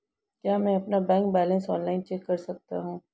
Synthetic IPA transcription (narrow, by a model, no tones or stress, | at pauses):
kjaːmɛ̃ɐpnabɛ̃ːŋk̚bɛːlə̃nsɔːnlaːɪnt͡ʃɛkːɐɾsɐk̚t̪a̰ɦũː